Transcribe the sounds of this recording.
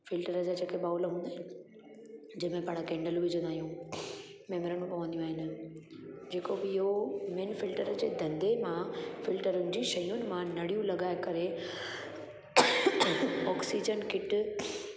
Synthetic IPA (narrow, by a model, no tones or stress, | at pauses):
fɪlʈəɾəd͡ʑaːd͡ʑeːkʰeɓaːʊlɦũːnd̪aːɦɪnɪ | d͡ʑɐ̃ɦɪ̃mẽpɐɽ̃kẽːɳɖəlʋɪd͡ʑə̃nd̪aːɦijũ | mɛːməɾəɽ̃ũpɐʋə̃nd̪ijũaːɦɪnɪ̆ | d͡ʑeːkobɪɦomeːnfɪlʈəɾəd͡ʑeːd̪ʱɐ̃nd̪emãfɪlʈəɾʊnɪd͡ʑiʃɐjʊnɪ̆mãnɐɽijũlɐɠaːɪkɐɾe | ɔːksid͡ʑənkɪʈ